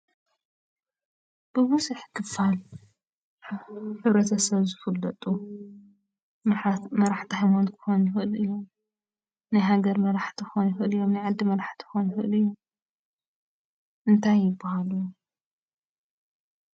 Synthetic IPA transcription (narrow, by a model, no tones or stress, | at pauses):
b̥ɨwusɨħkʰɨfal | ħɨβɾɐt̪ʰɐsɐβzɨfɨlːɐt̪ʼu | mɐɾaħt̪ʰihajmonkʰɨ̥xonjɪxɨʔɨlɨjːom | najɦaɡɐɾmɐɾaħt̪ʰixonjɪxɨʔlɨjːomnajʕad̪ːimɐɾaħt̪ʰi̥xonjxɨʔlɨjːum | ʔɨnt̪ʰajːɪbːɐhalu